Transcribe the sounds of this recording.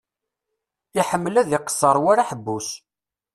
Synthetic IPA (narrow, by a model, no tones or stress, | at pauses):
ɪħəmːəlæðɪqə̥sːəɾˤwaɾaħəbːus